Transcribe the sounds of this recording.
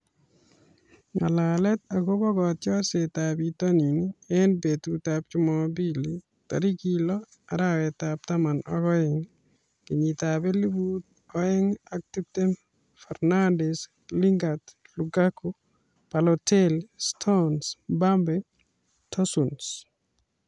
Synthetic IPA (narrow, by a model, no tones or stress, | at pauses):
ŋa̰lalɛt̪aɡobɔɡɔtt͡ʃjɔset̪abit̪oniniɛnbet̪ut̪ap̚t͡ʃʊmɔbili | t̪a̰ɾikilɔ | aɾawɛt̪ap̚t̪amanɔ̰ɡɔɛŋ | kiɲit̪abelibut̪̚ | ɔɛŋak̚titem | fɛɾnandɛs | liŋɡat̪ | luɡako | palɔtelstʰɔnsbambɛ | tʰɔsuns